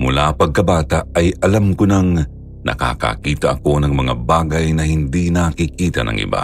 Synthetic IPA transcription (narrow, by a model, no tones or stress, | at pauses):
mʊlapɐɡ̚kɐbaːt̪aɐjɐlamkonɐŋ | nɐ̰ka̰ːka̰kiːt̪ɐʔɐko̞nɐŋmɐŋabaːɡɐjnɐhɪnd̪inakikiːt̪ɐnɐ̰ŋʔɪ̰ba̰